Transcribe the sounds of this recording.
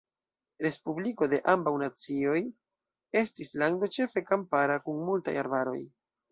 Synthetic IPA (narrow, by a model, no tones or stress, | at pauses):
ɾe̞spubliko̞de̞ʔambawnat͡sio̞j | e̞stislaŋdo̞t͡ʃe̞fe̞kampaɾakunmulta̰ja̰ɾbaɾo̞̰j